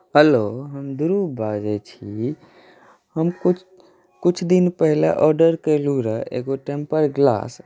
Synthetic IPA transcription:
ɦəloɦəmd̪uɾubad͡ʒɛt͡ʃʰi | həmkut͡ʃ | kut͡ʃʰd̪inpəɦla̰ʔɔɾɖəɾkeluɾəḛɡoʈẽmpəɾɡla̰s

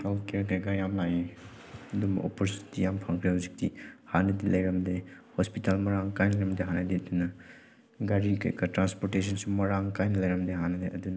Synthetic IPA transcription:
kʰawkeɾk̬ɐjɡɐjamlaje | ɐdumɐ̰ʔo̰poɾsitːijampʰaŋkʰɾeɦɐwzik̚tḭhanɐdilɐjɾɐmdehospitalmɐɾaŋkajnɐjɾɐmdeɦanɐdiɐdunɐ | ɡaɾikɐ̰jɡɐtɾanspoɾtesʰɐnsumɐɾaŋkajnɐlɐjɾɐmdeɦanɐdeʔɐdunɐ

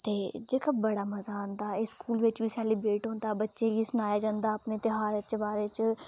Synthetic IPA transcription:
t̪eːd͡ʒeːkaːbəɽaːməzaːə̃nd̪aːɪskuːlʋɪt͡ʃbiːsɛːliːbɾeːʈɦõːnd̪aːbətːʃeɡiːsʊnaːjaːd͡ʒãːnd̪aːəpneːt̪ɪɦaːɾet͡ʃbaːɾeːt͡ʃ

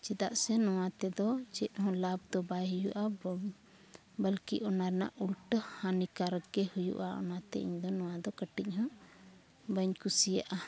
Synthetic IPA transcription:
t͡ʃɛt̪aʔsɛnɔw̃ãt̪ɛd̪ɔt͡ʃɛt̪̚ˀhɔ̃lab̚d̪ɔbajɦujuʔa | bəlkiʔɔnaɾna̰ʔulʈəhãnikaɾəkːɛhujṵʔaɔ̰nat̪ɛ̰ʔḭɲd̪ɔnɔ̃w̃ãd̪ɔkəʈic̚ˀhɔ̃ | bəɲkusija̰ʔa

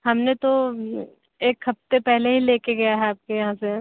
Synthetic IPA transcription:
ɦɐmnet̪o | eːkɦɐft̪epɛɦleɦileːkeɡɐjaɦɛaːp̚kejɐɦãse

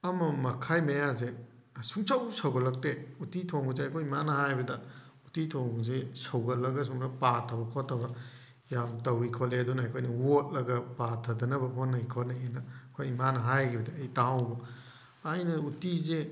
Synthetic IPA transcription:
ɐmɐmɐkʰajmɐjaze | suŋsawsɐwɡɐlɐk̚teutitʰoŋɡuzekʰojmanɐhajbɐdɐutitʰoŋɡzesɐwɡɐlːɐɡɐs̬uŋsapatʰɐbɐkʰɔtʰːɐbɐ | jamtɐwikʰɔleɐdunɐajkʰojnɐwot̚lɐɡɐpatʰɐdɐnɐbɐɦonːɐjkʰonɐenɐkʰojmanɐɦajɡibɐdɐːjtãwbɐ | ajnɐutize

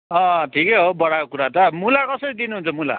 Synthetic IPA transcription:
ʌʈʰikeɦobʌɽakokuɾat̪ʌmulakʌsʌɾid̪inuɦũnt͡sʰʌmula̰

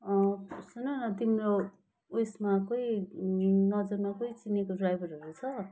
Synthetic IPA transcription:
ʌsunʌnʌt̪̬imro | esmakoi | nʌd͡zʌrmakoit͡sinekodrajbʱʌɾɦʌɾut͡sʰʌ

